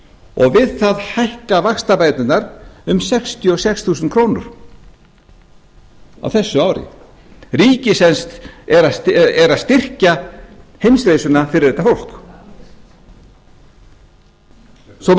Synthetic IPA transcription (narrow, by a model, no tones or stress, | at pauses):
ɔɣvɪðθaðhajhkavaxst̪apaːjt̪nɪnnaɾʏmsɛkst̪ʰjʏɔsɛksθuːsʏnkʰɾownʏ̰ɾ̥ | a̰wθɛsːʏaːwɾɪ̰ | riːcɪsɛnst̪ɛɾasɛɾaðst̪ɪr̥cahejmsɾejsʏnafɪɾɪɾðɛt̪afowl̥k | sɔ